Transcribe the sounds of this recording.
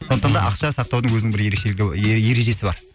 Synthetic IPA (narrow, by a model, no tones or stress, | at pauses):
soət̪ɑd̪ɑ̰ʔɑqʃɑsɑqt̪ɑwd̪əŋwɵznɪŋbɪɾjeɾekʃeɪɡʲje̞ɾe̞ʒe̞sɪbɑɾ